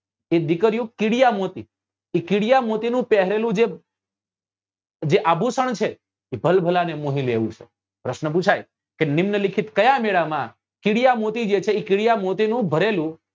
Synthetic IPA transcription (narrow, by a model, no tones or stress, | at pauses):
ed̪ɪkəɾjũkɪɽijamot̪i | ikɪɽijamot̪inũpɛɦɾelũd͡ʒe | d͡ʒeʔabʱusəɳ̃t͡ʃʰe | ibʱəlbʱəlanemoɦilḛʋṵ̃t͡ʃʰḛ | pɾəʃnəput͡ʃʰaj | kenimnəlikʰit̪kəjãmeɭamã | kɪɽijamot̪id͡ʒet͡ʃʰeikɪɽijamot̪inũbʱəɾelũ